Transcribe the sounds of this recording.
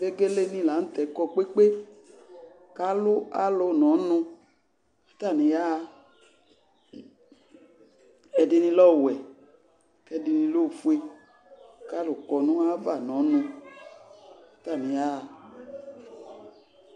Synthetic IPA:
e˦ɡe˦le˦nĩ˧˨la˨˦n̩˦t̪ɛ˨kɔ˧k͡pe˦k͡pe˦ | ka˦lʊ˦a˦lʊ˧nɔ̃˨˦nʊ̃˧˦ | t̪a˦˨nĩ˨ja˦˧ | ɛ˧dɪ˧nĩ˧lɔ˦˨wɛ˨ | kɛ˧dɪ˧nĩ˧lo˦˨fu˦e˧ | ka˦lʊ˨kɔ˧nũ˦a˦va˦˨nɔ̃˨˦nũ˧˦ | ta˦˨nĩ˨ja˦˧

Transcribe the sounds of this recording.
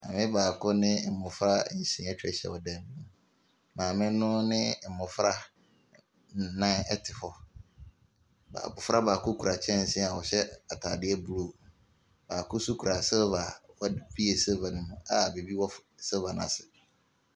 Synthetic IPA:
mã̰˨mɪ̃˦baː˨kʰʊ˦nɪ̃˦˨m̩˨mʊ̃˨fɾa˦ɲ̩˦ɕɪ̃˨ɛ˦t͡ɕᶣɾɛ̰˨ɕɛ̰˨wɔ˨dɛ˨mĩ˦nʊ̃˨ | mãː˨mɪ̃˦nʊ̃˦nɪ̃˦˨m̩˨mʊ̃˨fɾa˦˨ | nã˦nɛ˦tʰɪ˨fɔ˨ | ba̰ː˨bʊ˨fa˦baː˨kʰʊ˦kʰu˨ɾa˨t͡ɕʰɛ̃˦n̩˨sɪ̃˦˨a˨wɔ˨ɕɛ˦a˨tʰa̰ː˨dɪ˦ɛ˦bu˦˨ɾo˨ | baː˨kʰʊ˦su˦kʰu˨ɾa˨sɛ˦va˨wɔ˦bi˦e˨se˦va˨nɪ̃˨mʊ̃˦a˨be˨bi˦wɔ˦fsɛ˦va˨nã̰˨sɪ˨

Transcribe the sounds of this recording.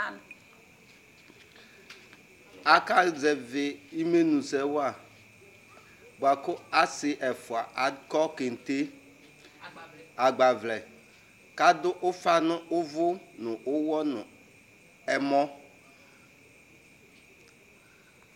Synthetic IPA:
a˨ka˦d͡zɛ˨vɪ˨i˦me˦nũ˨sɛ˨˦wʊ˦a˨ | ɡ͡ba˨kʊ˦a˦sɪ˨ʔɛ˨fʊ˨a˨ʔa˨dkɔ˦ke˨n̩˨te˦ | a˨ɡ͡ba˨vlɛ˨ | ka˦dʊ˦ʔʊ˦fa˦nʊ̃˦ʔʊ˦vʊ˦nʊ̃˨ʔʊ˦wɔ˦nʊ̃˨ | ɛ˦mɔ̃˦

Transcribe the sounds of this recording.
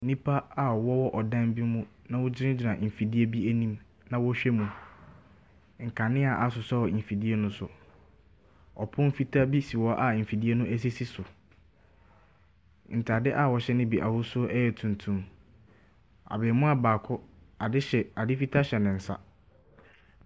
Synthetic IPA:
nĩ˦pʰa˦a˨wɔ˦wɔ˦ʔɔ˨dã˦m˦bi˦mũ˦ | nã˦wʊ˦d͡ʑɪ˦ɾɪ̃˦d͡ʑɪ˨nã˨m̩˨fi˨di˦e˦bi˦æ˦nĩ˦m | nã˨wɔ˦ɕᶣɛ˦mũ˨ | ŋ̩˨kʰa˨nɪ̃˦a˨ʔa˨sʊ˨sɔ˦wɔ˨fi˨di˦e˦nʊ̃˦sʊ˨ | ɔ˨pʰʊ̃˦m̩˦fi˦tʰa˦bi˦si˨wɔ˦ʔa˨m̩˨fi˨di˦e˦nʊ̃˦ʔæ˦s̬i˦si˦sʊ˨ | n̩˨tʰa˨dɪ˦ʔa˨wɔ˨ɕɛ˦nɪ̃˦bi˨ʔa̰˨wʊ˦sʊ˦ɛ˦jɛ˨tʰũ˨n˨tʰũ˦m | a̰˨beː˨mʊ̃˦a˨baː˨kʰʊ˦ | a˨dɪ˦ɕɛ˨a˨dɪ˦fi˦tʰa˦ɕɛ˨nɪ̃˨n̩˨sa̰˦

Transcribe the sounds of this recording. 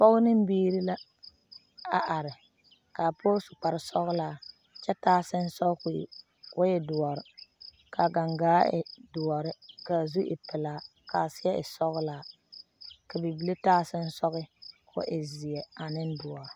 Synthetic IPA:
pɔ˦ɣʊ˦nɪ˦m˦biː˦ɾi˦la˦ | a˨ʔa˨ɾɪ˨ | ka˨pʰoː˦sʊ˨k͡pa˨ɾɪ˨sɔ˦ɣʊ˦laː˦˨ | t͡ʃɛ˦taː˦sɪ˦n˦sɔ˦kʊ̰˨ | kʊ˦jɛ˨dʊ˨ɔ˨ɾɪ˨ | ka˨ɡa˨ŋɡaː˨˦ɪ̰˨dʊ˨ɔ˨ɾɪ˦ka˨zu˦ʔɪ̰˨pɪ˨laː˨˦ | ka˨sɪ˦ɛ˦ʔɪ̰˨sɔ˦ɣʊ˦laː˦ | ka˨bi˨bi˨˦le˦taː˦sɪ˦n̩˦sɔ˦ɣɪ˦kʰʊ̰˦ʔɪ˨zɪ˨jɛ˨a˨nɪ˦n˦dʊ˨ɔ˨ɾɪ˨

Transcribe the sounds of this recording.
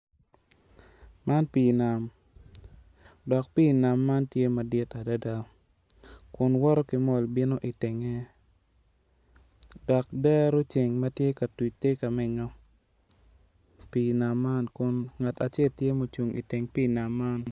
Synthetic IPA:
ma˦npi˨na˨m | dɔ˨k̚pi˦˨na˨mːa˦ntje˦ma˨dɪ˦ta˨da˦da˦ | kʊ˨nwɔ˦ɾɔ˦kɪ˨mɔ˦˨lbi˦no˦ʔi˨te˨ŋe˦ | d̥ɔ˨k̚dɛ˦ɾo˦t͡ʃe˨ŋmɐ˦tje˦ka˨tu˨t͡ʃte˦ka˨mɪ˨ɲɔ˦ | pi˨na˨mːa˦nkʊ˨nŋa˨ta˨t͡ʃɛ˦˨ltje˦mo˨t͡ʃu˨ŋḭ˨tɪ˨ŋpiː˦na˨mːa˦n

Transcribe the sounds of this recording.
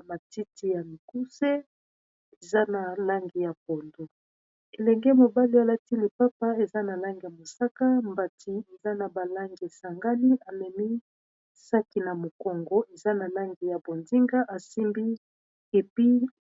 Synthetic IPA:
ma˨ti˦ti˦ja˨mi˨ku˦se˦ | e˨za˦na˨la˦ŋɡi˨ja˨bo˨ndo˨ | e˨lɛ˨ŋɡɛ˦mo˨ba˦li˦a˨la˦ti˦le˨pa˦pa˦e˨za˦na˨la˦ŋɡi˨ja˨mo˨sa˦ka˦mba˨tʰi˨e˨za˦na˨ba˨la˦ŋɡe˨sa˨ŋɡa˦ni˦a˨mɛ˨mi˦ | sa˦ki˨na˨mo˨kɔ˨ŋɡo˦ʔe˨za˦na˨la˦ŋɡi˨ja˨bo˨nzi˦ŋɡa˦ʔa˨si˦mbi˦ | e˨pi˦

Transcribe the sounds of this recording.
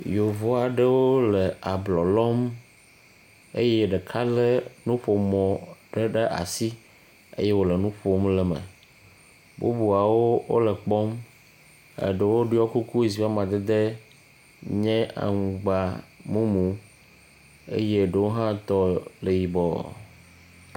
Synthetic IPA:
jo˨vo˦a˨ɖe˦wo˦le˨a˨blɔ˨lɔ˦m | ḛ˦jɛ˦ɖɛ˨kʰa˦le˦nũ˦ɸo˨mɔ̃˨ɖe˦ɖe˦ʔa̰˨si˦ | ḛ˦je˦wo˦le˨nũ˦ɸo˦mlɛ˨mə̰˨ | bṵ˦bu˨a˨wo˦wo̰˦lɛ˨k͡pɔ˦m | ə̰˨ɖe˨wo˦ɖɔ˦ku˦ku˦i˨si˨fa˦mã˨d̪e˦d̪e˦ | ɲɛ̃˦a̰˨ŋũ˨ɡ͡ba˨mũ˦mũ˨ | ḛ˦je˦ɖe˨wo˦ɦã˦t̪ɔ˦le˨ji˨bɔ˦˨

